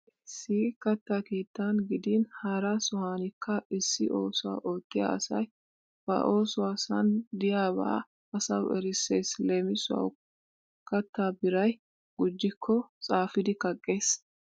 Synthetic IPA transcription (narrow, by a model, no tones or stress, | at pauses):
ʔɪsːɪkɐt̪ːakeːt̪ːɐnɡɪd̪ɪnhaːɾasʊhaːnɪkʰːɐʔɪsːɪʔoːsʊwa̰ːʔoːt̪ːɪja̰ɐsɐj | b̥ɐ̰ʔo̞ːsʊwaːsɐnd̪ɪjaːbɐ̰ː | ɐsɐwʔɛɾɪseːsleːmɪsʊwɐ̰w | kɐt̪ːaːbɪɾɐj | ɡ̥ʊd͡ʒːɪkʰːɔt͡sʼaːfɪd̪ɪkɐkʼːe̞ːs